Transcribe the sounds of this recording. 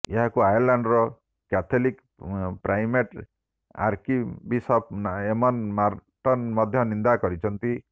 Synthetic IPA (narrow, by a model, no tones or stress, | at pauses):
eɦakuajɔɾlaɳɖɾɔ | kat̪ʰɔlik | pɾajmeʈ | a̰ɾkibisɔpnemɔnmaɾʈɔnmɔd̪ʱjɔnind̪akɔɾit͡ʃʰɔnt̪i